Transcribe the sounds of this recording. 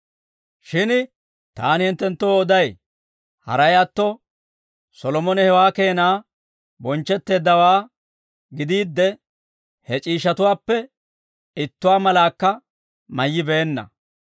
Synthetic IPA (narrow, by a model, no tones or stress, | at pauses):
ʃɪn | t̪a̰ːnhɪnt̪ːɛnt̪ːɔːd̪ɐj | hɐ̰ɾɐjat̪ːɔ | sɔlɔmɔnɛhɛwaːke̞ːnaː | bɔnt͡ʃːɛt̪ːe̞ːd̪ːɐwaː | ɡɪd̪iːd̪ːɛ | hɛt͡ʃʼiːʃɐt̪ʊwaːpːɛ | ɪt̪ːʊwaːmɐlaːkːɐ | mɐjːɪbeːnːɐ̰